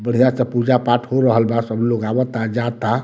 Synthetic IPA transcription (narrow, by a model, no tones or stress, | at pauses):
bəɽ̤ijãsə̃pud͡ʒapaʈʰɦoɾəɦəlbasəbloɡabət̪ad͡ʒat̪a